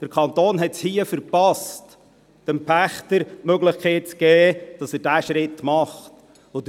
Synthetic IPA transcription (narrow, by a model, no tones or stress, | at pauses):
d̥əɾkʰɑnt̪oːnɦɛtshiːəfəɾpɑst | d̥ɛmpʰæχt̪əɾmøɡləχkʰɛɪt̚t͡sɡ̥ɛːd̥ɑsəɾdæːʃɾɪtːmɑχt | od